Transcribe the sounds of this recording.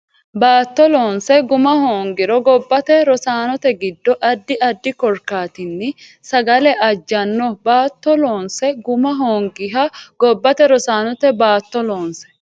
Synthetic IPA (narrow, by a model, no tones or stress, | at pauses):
baːt̪ːɔloːnsɛɡʊmɐhoːŋɡɪɾɔɡɔbːɐt̪ɛɾɔsaːnɔt̪ɛɡɪd̪ːɔʔɐd̪ːɪɐd̪ːɪkɔɾkaːt̪ɪnːɪ | sɐɡɐlɛʔɐd͡ʒːɐnːɔbaːt̪ːɔloːnsɛɡʊmɐɦoːŋɡɪɦɐɡ̥ɔbːɐt̪ɛɾɔsaːnɔt̪ɛbaːt̪ːɔloːnsɛ̥